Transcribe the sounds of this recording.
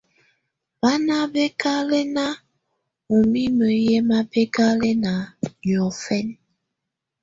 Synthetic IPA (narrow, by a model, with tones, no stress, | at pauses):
ba˦na˦be˦ka˦lɛ˦na˦ | u˨mi˦mə˨jɛ˦ma˦pe˦ka˦lɛ˦na˨ɲ˨ɔ˨fɛ˦n